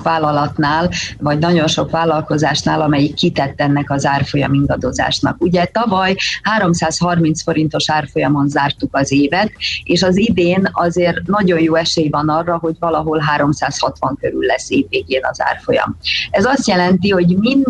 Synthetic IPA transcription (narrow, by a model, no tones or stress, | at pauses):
kvaːlːɒlɒt̪naːlvɒɟnɒɟo̞nʃo̞kʋaːlːɒlko̞zaːʃnaːlɒmɛjikːit̪ɛt̪ːɛnːɛkɒzaːrfo̞jɒ̰miŋɡɒd̪o̞za̰ːʃnɒ̰kuɟɛt̪ɒvɒjhaːɾo̞msaːshɒrmint̪sfo̞ɾin̪t̪o̞ʃaːrfo̞jɒmo̞nzaːrt̪ukɒzeːvɛt̪eːʃɒzid̪eːnɒzeːrnɒɟo̞njoːɛʃeːjvɒnɒrːɒɦo̞ɟvɒlɒɦo̞lɦaːɾo̞msaːshɒt̪ʋɒŋkøɾy̰lːɛsːeːvːeːɡeːnɒ̰za̰ːrfo̞jɒ̰mɛzɒst̪jɛlɛnt̪iho̞ɟmin